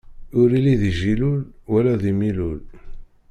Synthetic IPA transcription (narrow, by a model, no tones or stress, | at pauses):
ʊɾiliðiʒilulwælæðimilul